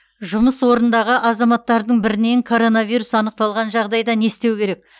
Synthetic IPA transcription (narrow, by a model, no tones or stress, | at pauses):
ʒʊməswo̞ɾənd̪ɑʁəʔɑzɑmɑt̪ːɑɾd̪əɴbɪɾɪne̞ŋkʰo̞ɾo̞navijɾusɑnəq̚t̪ɑlˠʁɑnʒɑʁd̪ɑjd̪ɑne̞st̪e̞wkʲʰe̞ɾe̞k̚